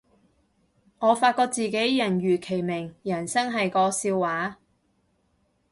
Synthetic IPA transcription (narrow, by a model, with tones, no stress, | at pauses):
ŋɔː˨˧faː˧t̚kɔː˧k̚t͡siː˨ke˨˥jjɐ˨˩nɥyː˨˩kʰe˨˩jmɪ˨˩ŋjɐ˨˩nsɐ˥ŋɦɐ˨jkɔː˧siː˧wːaː˨˥